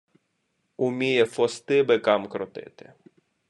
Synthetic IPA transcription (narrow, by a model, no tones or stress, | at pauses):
ʊmʲijɛfɔst̪ɪbekɑmkɾɔt̪ɪ̰t̪ɪ̥̰